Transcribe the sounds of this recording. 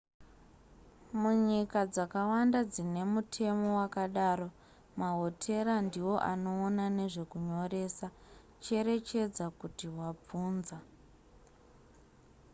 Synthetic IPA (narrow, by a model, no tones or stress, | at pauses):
muɲikad͡zakawandad͡zine̞mutʰe̞mo̞wakaɗaːro̞ | maɦo̞tʰe̞ɾandiwo̞ʔano̞ːnane̞ʐe̞kuɲo̞re̞ːsa | t͡ʃe̞ɾe̞t͡ʃe̞d͡zakutiɦwab͡vuːnza